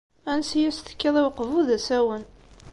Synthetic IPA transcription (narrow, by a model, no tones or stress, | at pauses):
ænsjæst̪ə̥kːiðˤiwqːvuðæsæwən